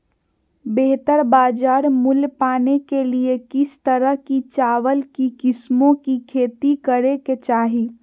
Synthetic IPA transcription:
beɦt̪əɾbaːd͡ʒaːɾmʊlpaːnekeliekɪst̪əɾəɦkit͡ʃaːwəlkikɪsmõkikʰeːt̪ikəɾeket͡ʃaːɦi

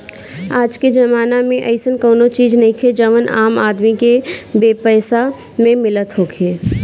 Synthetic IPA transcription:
aːd͡ʒked͡ʒɐmaːnamẽʔəɪsənkoːnot͡ʃiːd͡ʒnəɦĩkʰed͡ʒəʋənʔaːmaːd̪mikebeːpəːsa | mẽmɪlət̪ɦoːkʰeː

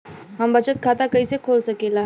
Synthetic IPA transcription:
ɦambət͡ɕət̪̚kʰat̪akəisekʰolsəkela

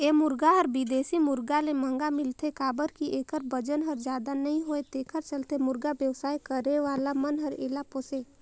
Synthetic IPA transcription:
eːmʊɾɡaɦɔɾbɪd̪eːsimʊɾɡalemə̃ŋɡamɪlt̪ʰekaːbəɾkiʔeːkəɾbəd͡ʒənɦəɾd͡ʒjaːd̪anɐɦĩɦoet̪eːkʰəɾt͡ʃəlt̪emʊɾɡabjəwsaːjkəɾeʋaːlamənɦəɾeːlapoːse

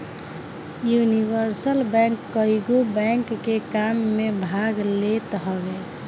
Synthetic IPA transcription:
juniʋəɾsəlbɛ̃ŋkːəjɡubɛŋkːekamːebʱaɡlet̪ɦɔɡe

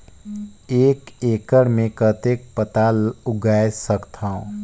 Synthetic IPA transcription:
eːkeːkəɽmẽkət̪eːk̚pət̪aʊɡaːjesəkt̪ʰãõ

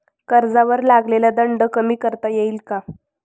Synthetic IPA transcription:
kəɾd͡zaʋəɾlaɡlelad̪əɳɖəkəmiːkəɾt̪ajeilka

